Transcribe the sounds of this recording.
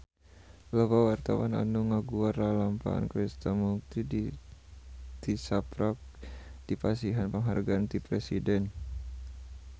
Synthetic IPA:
ləbawart̪awana̰nuŋaɡuaralampa̰a̰nkɾist̪amuk̚t̪idi | t̪isapɾak̚ | d̥ipasiɦanpəŋɦarɡaːnt̪ipɾɛsidɛn

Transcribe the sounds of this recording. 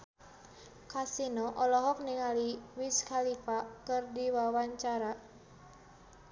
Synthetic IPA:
kasinɔʔɔlɔɦɔk̚niŋaliwiskalipakɨrdiwawaɲt͡ʃaɾa

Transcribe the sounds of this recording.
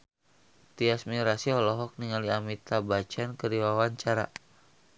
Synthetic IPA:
t̪iasmiɾasiɔlɔɦɔk̚niŋaliamit̪abat͡ʃankəɾiwawaɲt͡ʃaɾa̰

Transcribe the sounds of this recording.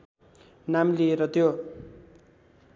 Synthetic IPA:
namlieɾʌt̪jo

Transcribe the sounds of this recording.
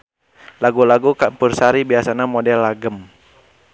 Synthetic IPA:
laɡulaɡukampursaɾibiasanamodɛlːaɡəm

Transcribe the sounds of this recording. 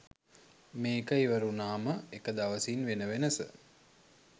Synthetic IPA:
meːkəiʋəɾunaːməekəd̪aʋəsiːnʋenəʋenəsə̰

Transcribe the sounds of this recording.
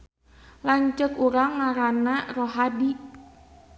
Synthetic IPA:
laɲt͡ʃəkuɾaŋːaɾanaroɦadi

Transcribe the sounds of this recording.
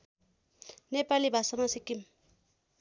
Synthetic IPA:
nepalibʱasʌmasikːim

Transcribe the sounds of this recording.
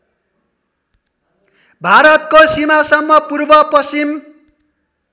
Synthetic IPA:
bʱaɾʌt̪̚kosimasʌmːʌpurbʌpʌsim

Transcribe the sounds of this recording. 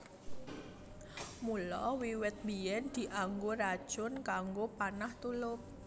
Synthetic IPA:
mulɔwiwɪt̪̚bijɛnd̪̥i̤ʔaŋɡorad̥ʒ̥ʊnkaŋɡopanaht̪ulʊp̚

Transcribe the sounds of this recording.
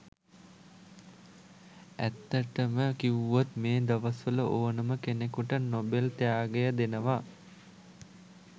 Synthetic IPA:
æ̰t̪ːəʈəməkiuʋot̪meːd̪ɐʋɐsʋələʔoːnəməkenekuʈənobelt̪ejaːɡejəd̪enəʋa

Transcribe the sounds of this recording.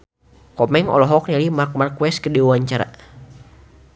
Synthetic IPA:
kɔmɛŋɔ̰lɔɦɔk̚nalimark̚markwɛskədiwaɲt͡ʃaɾa̰

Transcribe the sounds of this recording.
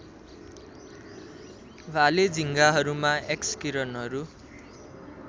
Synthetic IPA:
bʱaled͡zʱiŋɡaɦʌɾumaʔekskiɾʌnɦʌɾu

